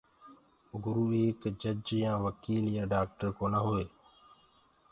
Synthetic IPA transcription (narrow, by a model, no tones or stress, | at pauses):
ɡʊɾuːeːkd͡ʒəd͡ʒjãːʋəkiːljãːɖaːk̚ʈəɾkoːnaːɦoeː